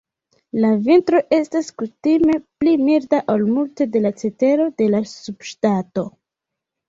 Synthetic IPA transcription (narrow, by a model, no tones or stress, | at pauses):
lavintɾo̞ʔe̞staskutime̞plimiɾdaʔolmulte̞de̞lat͡se̞te̞ɾo̞de̞lasub̥ʃtato̞